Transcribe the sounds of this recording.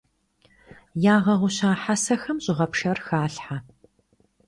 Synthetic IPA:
jaːʁɐʁʷʊɕaːħasɐxɐmɕʼɪʁɐpʂɐrxaːɬħa

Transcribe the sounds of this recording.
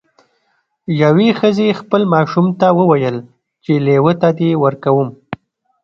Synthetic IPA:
jawexəzexpəlmɑʃumt̪awəwajəl | t͡ʃelewət̪ad̪ewəɾkawum

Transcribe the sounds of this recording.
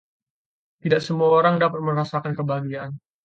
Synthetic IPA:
t̪idaksəmuaoɾaŋdapat̪̚məɾasakankəbaɡiaʔan

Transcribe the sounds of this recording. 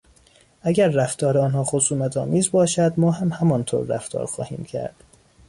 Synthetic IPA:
ʔæɟæɾːæft̪ʰɒːɾeɒːnhɒːxosuːmæt̪ʰɒːmiːzbɒːʃæd̪mɒːɦæmhæmɒnt̪ʰo̰ːɾːæ̰ft̪ʰɒ̰ːɾxɒ̰ːhḭːmcʰæ̰ɾd̪̥

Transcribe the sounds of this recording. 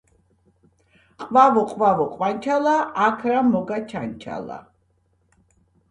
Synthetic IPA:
qʼvavɔqʼvavɔqʼwant͡ʃʰalaːkʰɾamɔɡat͡ʃʰant͡ʃʰa̰la̰

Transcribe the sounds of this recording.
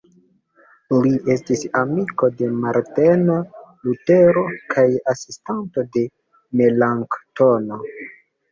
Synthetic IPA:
liʔe̞stisamiko̞de̞maɾtenlute̞ɾo̞kʰajasistanto̞de̞ | me̞laŋktono

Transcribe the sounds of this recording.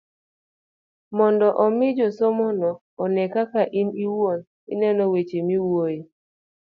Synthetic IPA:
mɔndɔʔɔmɪd͡ʒɔsɔmɔnɔː | nɛkakaʔiniwon | ɪ̰nɛnɔwet͡ʃemiwoje

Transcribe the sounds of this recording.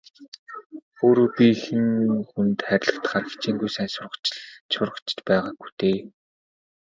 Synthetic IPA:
oːɾoːpʲixɘ̆ŋxunt̪χæɾʲɪ̆ɮə̆t̪̆χaːrxe̥t͡ɕiːŋɡujsæːnsʊrə̆sʊrʁə̆t͡ɕɪ̥̆t͡ɕpæːʁaːɡ̚ɡujt̪eː

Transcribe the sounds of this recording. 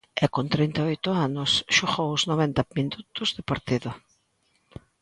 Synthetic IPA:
ɪkont̪ɾint̪aojt̪ʊanʊsʃoɣowʊznoβɛnt̪ɐminut̪ʊzðɪpaɾt̪iðʊ

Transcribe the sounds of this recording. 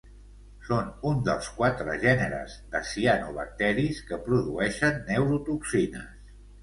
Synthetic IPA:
sonund̪əlˠskwat̪ɾə̰ʒɛnəɾə̰zd̪əsianuβə̰k̚t̪ɛɾiskəpɾuðuɛʃənːewɾut̪uksinə̰s

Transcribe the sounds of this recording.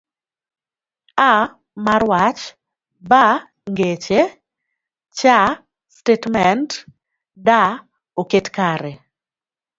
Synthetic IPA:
a | marwat͡ʃ | ba | ŋɡet͡ʃe | t͡ʃa | stetmɛnt | da | oketkaɾɛ

